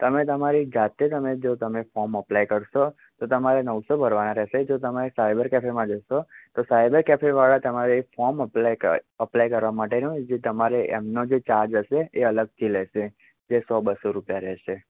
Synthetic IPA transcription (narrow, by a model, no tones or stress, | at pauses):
t̪əmet̪əmaɾid͡ʒat̪et̪əmed͡ʒot̪əmefɔɾməplajkəɾʃo | t̪ot̪əmaɾenəʋsobʱəɾʋanãɾɛʃed͡ʒot̪əmaɾesajbəɾkɛfʰeɾmãd͡ʒəʃot̪osajbəɾkɛpʰeɾʋaɭat̪əmaɾefɔɾməpəplajkəɾʋamaʈenũd͡ʒet̪əmaɾeʔemnod͡ʒet͡ʃaɾd͡ʒɦəʃeeələɡ̚t̪ʰilɛʃe | d͡ʒesɔbəsoɾupjaɾɛɦʃe